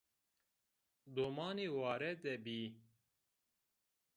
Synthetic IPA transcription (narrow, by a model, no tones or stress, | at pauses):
d̪omɑːneːwɑːɾɛd̪ɛbiː